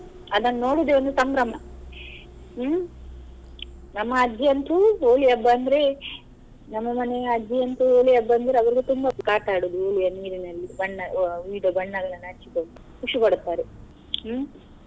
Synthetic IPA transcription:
ɐd̪ɐnːɐno̞ːɽud̪eond̪usɐmbɾɐmɐ | nɐmːɐːd͡ʒːiɐnt̪uoːlijɐbːɐːnd̪ɐɾe̞ | nɐmːɐmɐneɐd͡ʒijɐnt̪uoːlijɐbːɐɐnd̪ɐɾeɐʋɐɾiɡet̪umbɐkaːʈaːɽuːd̪uoːlijɐniːɾinɐlːibɐɳːɐʋiːɖɐbɐɳːɐɡɐnɐnaːt͡ʃːikonu | puʂubɐɽut̪ːaːɾe

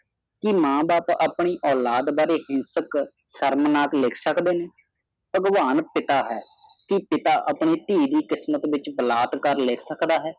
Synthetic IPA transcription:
kɪmãːbaːpaːpɳ̃iːʔɔːlaːd̪baːɾeːhɪ̃nsək | səɾmnaːklɪkʰsəkd̪eːneː | pəɡʋaːnpɪt̪aːɦɛː | kɪpɪt̪aːʔaːpɳeːt̪iːd̪iːkɪsmət̪ʋɪt͡ʃbəlaːt̪kəɾlɪːkʰsəkd̪aːɦɛː

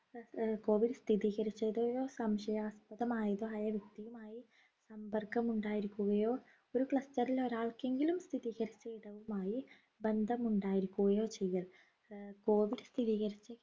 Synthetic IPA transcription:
ko̞ːʋiɖst̪ʰiðiːɣɐɾit͡ɕːɐðoːjoːsɐmʂɐjɐspɐðɐmaːjiðoːaːjɐʋjɐk̚t̪ːijumaːji | sɐmpɐrkɐmuɳɖaːjiɾikʲːuɣɐjo̞ː | o̞ɾukɭɐstɐriloɾaːɭke̞ŋɡilumst̪ʰiðiːɣɐɾit͡ɕːɐjiɽɐʋumaːji | bend̪ʱɐmuɳɖaːjiɾikʲːuɣɐjo̞ːt͡ɕe̞jːɐɭ | ko̞ːʋiɖst̪ʰiðiːɣɐɾit͡ɕːɨ

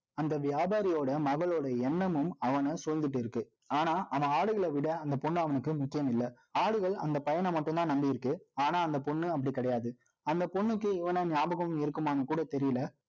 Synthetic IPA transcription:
ɐnd̪ɐʋɪjaːbaːɾɪjoːɽɐmɐɣɐɭoːɽɐɛɳːɐmɯmɐʋɐnɐsʊɾɐnd̪ɯʈːɯɪɾɯkːɯ | aːnaːʔɐʋɐaːɽɯɣɐɭɐʋɪɽɐɐnd̪ɐpɔɳːɯɐʋɐnɯkːɯmʊkːɪjɐmɪlːɐ | aːɽɯɣɐɭɐ̰nd̪ɐpɐjɐnɐmɐʈːɯ̃nt̪ãːnɐmbɪjɪɾɯkːɯaːnaːɐnd̪ɐpɔɳːɯɐpːɐɽikːɐɽɐjaːðɯ | ɐnd̪ɐpɔɳːɯkːɯɪʋɐnɐnjaːbɐɣɐʊmɪɾɯkːɯmaːnɐkuːɽɐt̪ɛɾɪjɪlɐ

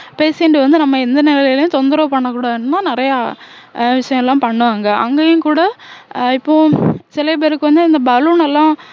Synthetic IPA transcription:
peːsɪɳɖɯʋɐnd̪ɯnɐmːɐɛnd̪ɐnɪlɐɐɪlɐjʊ̃t̪ɔnd̪ɪɾɐːpɐɳːɐkːuːɽaːðɯɳɯnːaːnɪɾɐja | ʋɪʂɐjɐ̃ɛlːãːpɐɳːɯʋaːŋɡɐʔɐŋɡeːjʊ̃ŋkuːɽɐɪpːõːsɪlɐp̬eːɾɯkːɯʋɐnd̪ɯɪnd̪ɐbɐluːnɛlːãː

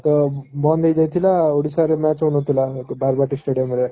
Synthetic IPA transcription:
t̪ɔbɔnd̪ʱejd͡zajt̪ʰilaoɽisaɾemat͡sɦunot̪ʰilabaɾbaʈisʈeɽijomeɾe

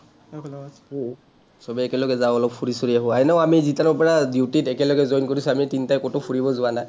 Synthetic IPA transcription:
sɔbɛɛkɛlɔɡɛzaʊɔlɔpfʰuɹisoɹiaɦʊajnaamizitanɔɹpɔɹadiwtitɛkɛlɔɡɛzɔjnkoɹisuamitinitajkotopʰuɹibɔzʊwanaj

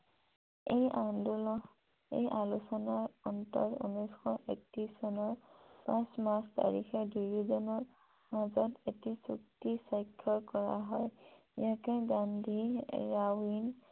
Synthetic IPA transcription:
ejandulɔ | ḛjʔalusɔnaɹɔntɔɹṵnɔjsxɔʔek̚tisɔnɔɹpãsmasta̰ɹixɛduɹuzɔnɔɹ | mazɔtetisuk̚tisajkʰːɔɹkɔɹa̰ɦɔj | jakɛɡandʱiɹawin

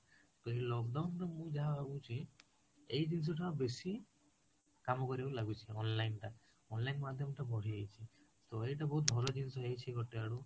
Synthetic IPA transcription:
t̪ɔɦilɔɡ̚ɖawnʈɔmũd͡ʒaɦaaɡut͡ʃʰi | ejd͡ʒins̬ɔʈʰabesi | kamɔkɔɾibalaɡut͡ʃʰiɔnlajnʈa | ɔnlajnmad̪ʱjɔmɔʈabɔɽ̤iejt͡ʃʰi | t̪oejʈabɔɦut̪̚bʱɔlɔd͡ʒinsɔɦejt͡ʃʰiɡɔʈeaɽu

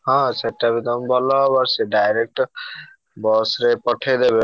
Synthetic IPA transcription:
ɦʌ̃t͡sʰeʈːabid̪ʌmbʱɔlɔbʌɾseɖajɾek̚ʈ | bɔsɾepɔʈʰed̪ebe

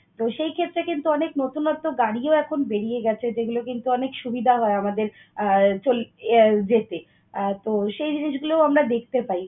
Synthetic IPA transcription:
t̪oʃejkʰet̪ːɾekint̪uɔneknot̪unɔt̪ːoɡaɽioɛkʰonbeɽijeɡɛt͡ɕʰed͡ʑeɡulokint̪uɔnekʃubid̪ʱaɦɔeamad̪eɾ | t͡ɕold͡ʑet̪e | t̪oʃejd͡ʑiniʃɡulooamɾad̪ek̚ʰt̪epai

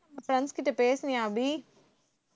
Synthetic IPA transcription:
fɾɐ̃nskiʈɐpeːsniaːbi

